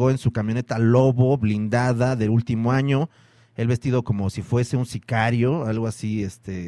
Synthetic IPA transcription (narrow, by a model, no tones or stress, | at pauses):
ɣo̞ensukamjone̞t̪alo̞βo̞βlind̪aðaðe̞lult̪imo̞aɲo̞ | e̞lβe̞st̪iðo̞ko̞mo̞sifwe̞se̞unsikaɾjo̞alɣoasiest̪e